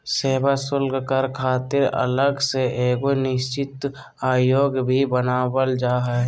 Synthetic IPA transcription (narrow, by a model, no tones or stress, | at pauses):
seːbasʊlɡkəɾkʰaːt̪ɪɾə̰ləɡseʔeːɡonɪʃt͡ʃɪt̪ | aːjoːɡbʱibənaːwəld͡ʒaːɦə